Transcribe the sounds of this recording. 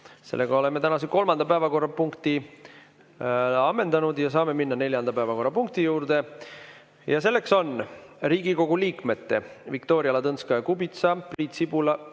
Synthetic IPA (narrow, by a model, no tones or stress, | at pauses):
se̞lːe̞ɡ̥ɑo̞le̞mːe̞t̪ænɑs̬eko̞lmɑnd̪ɑpæevɑko̞rːɑpuŋkt̪i | ɑmːe̞nd̪ɑnud̪̥jɑsɑːme̞minːɑne̞lʲjɑnd̪̥ɑpæevɑko̞rːɑpuŋk̚t̪ijuːɾd̪e̞ | jɑse̞lːe̞kso̞nriːɡiko̞ɡuliːkme̞t̪ːe̞vikt̪o̞ːɾiɑlɑd̪t̪ɤnskɑjɑkubit̪sɑpriːt̪sibulɑ